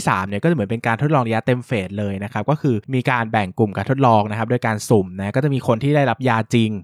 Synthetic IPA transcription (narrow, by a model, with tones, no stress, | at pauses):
i˥˩saː˩˦mni˧˩kɔː˥˩˨m˩˦pe˧nkaː˧nt̪ʰo˦˥t̪̚lɔː˧ɾa˧ja˦˥t̪e˧mfeː˨˩t̪̚lɤː˧jna˦˥kʰa˦˥p̚kɔː˥˩kʰɯː˧miː˧kaː˧nbɛ˨˩ŋku˨˩mkaː˧nt̪ʰo˦˥t̪̚lɔː˧ŋna˦˥kʰa˦˥do˧jkaː˧nsu˨˩mnɛ˦˥kɔː˥˩t͡ɕa˨˩ʔmiː˧kʰo˧nt̪ʰiː˥˩a˥˩jɾa˦˥p̚jaː˧t͡ɕi˧ŋ